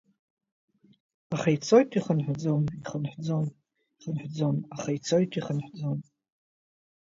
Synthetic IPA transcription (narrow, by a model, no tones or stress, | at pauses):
aχejt͡sʰojtʰʼiχənħʷd͡zoniχənħd͡zon | iχənħʷd͡zonaχajt͡sʰojtʼʰiχənħd͡zon